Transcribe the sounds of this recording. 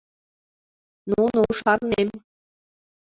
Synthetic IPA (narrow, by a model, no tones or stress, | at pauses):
nunuʂɑrnemʲ